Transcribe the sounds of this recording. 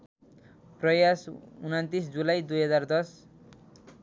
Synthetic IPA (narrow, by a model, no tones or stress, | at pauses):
prʌjasunant̪isd͡zulajd̪ujɦʌd͡zard̪ʌs